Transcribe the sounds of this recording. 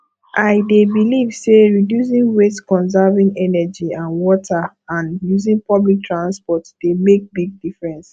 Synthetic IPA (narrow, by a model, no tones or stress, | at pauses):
ʔaɪdebilivseɹidjus̬ĩnwetskɔ̃nsɛvĩŋɛnɛd͡ʒiãnwɔtʰa | ãnjuzĩnpɔblik̚tʰɹãnspɔtd̥emek̚biɡ̚difɹɛ̃ns